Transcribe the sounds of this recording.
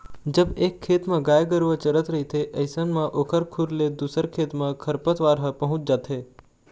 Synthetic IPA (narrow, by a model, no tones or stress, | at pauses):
d͡ʒəbekʰːet̪mãɡaːjɡəɾʋət͡ʃəɾət̪ɾəɦit̪ʰeʔəjsənmãʔoːkʰəɾkʰuɾled̪usəɾkʰet̪mãkʰəɾpət̪ʋaɾɦəpəɦʊ̃t͡ʃ̚d͡ʒat̪ʰe